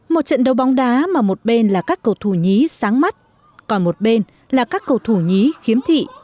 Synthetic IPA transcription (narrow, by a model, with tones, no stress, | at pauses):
mo˨˩t̚t͡ɕə̰˧˨nɗə˨˩wɓa˨˦wŋ͡mɗaː˨˦maː˨˩mo˨˩t̚ɓe˧nlaː˨˩kaː˦˥kːə˨˩wt̪ʰu˧˩ɲi˨˦saː˨˦ŋma˦˥t̚ | kɔ˨˩nmo˨˩t̚ɓe˧n | laː˨˩kaː˦˥kːə˨˩wt̪ʰu˧˩ɲi˨˦xi˨˦əmt̪ʰḭ˧˨